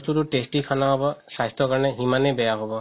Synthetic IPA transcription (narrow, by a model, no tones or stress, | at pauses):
st̪utuʈesʈikʰanaɦɔbɔsajst̪ɔkaɹɔnɛɦimanejbɛjaɦɔbɔ